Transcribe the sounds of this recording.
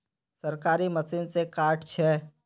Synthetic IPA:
səɾkaːɾiməsiːnsekaːʈʰt͡ʃʰɛː

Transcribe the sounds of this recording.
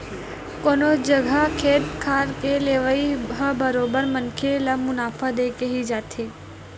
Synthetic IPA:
koːnod͡ʒəɡʱakʰeːt̪kʰaːɾkeleːʋəiɦəbəɾoːbəɾmənkʰelamʊnaːfʰad̪eːkeɦid͡ʒaːt̪ʰeː

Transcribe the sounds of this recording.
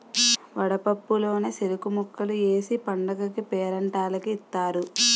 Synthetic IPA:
ʋɐɽɐpɐpːulo̞ːneːselukumukːɐlue̞ːsipɐɳɖɐɡɐkipɛːɾɐɳʈaːlɐkiːt̪ːaːɾu

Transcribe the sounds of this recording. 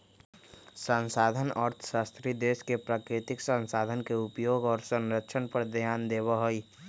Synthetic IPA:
sə̃nsaːd̪ʱənɔːɾt̪ʰə̥ʃaːst̪ɾid̪eːʃkepɾaːkɾɪt̪ɪksə̃nsaːd̪ʱənkeʊpjoːɡɔːɾsə̃nɾəkʃʰənpəɾd̪ʱjaːnd̪eːʋaɦoi

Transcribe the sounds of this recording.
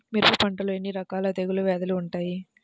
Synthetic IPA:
miɾpupɐɳʈɐluenːiɾɐkaːlɐt̪eɡuluʋɛːd̪ɐluːɳʈaːji

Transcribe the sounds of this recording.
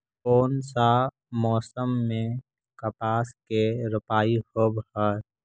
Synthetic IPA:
oːnsa | mɔːsəmːẽ | kəpaːskeɾʊpaːihobɦaɾ

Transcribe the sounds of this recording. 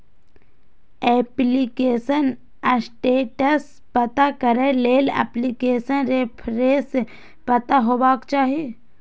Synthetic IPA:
ɛːplikeːsən | əsʈeːʈəs | pɐt̪akəɾeleːlɛ̰ːplikeːsənɾepʰɾeːse | pɐt̪aɦoːbaːkt͡ʃaːɦie

